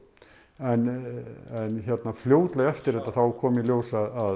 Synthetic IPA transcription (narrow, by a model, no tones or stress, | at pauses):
ɛn | ɛnçjɛt̪nafljoːwt̪lɛɣɛft̪ɪɾɛt̪ːaθawkʰɔːmiljoːwsaða